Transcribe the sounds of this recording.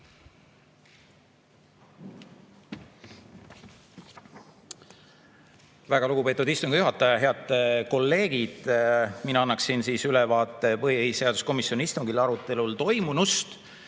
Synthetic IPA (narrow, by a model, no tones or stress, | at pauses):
væɡ̥ɑluɡupe̞ːt̪ud̪ist̪uŋɡ̥ijuɦɑt̪ːˑɑjɑɦe̞ɑd̪̥ko̞lːe̞ːɡ̥id̪̥minɑɑnːɑksinsiːsylɛvɑːt̪ːˑe̞pɤhiise̞ɑd̪̥usko̞misjo̞niist̪uŋɡilɑɾut̪ːˑe̞lult̪o̞jmunust̪